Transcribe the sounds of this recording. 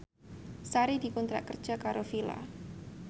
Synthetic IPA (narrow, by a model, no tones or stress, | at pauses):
saɾid̥i̤kɔnt̪ɾa̰ʔkər̥ʒ̥a̤kaɾofila̰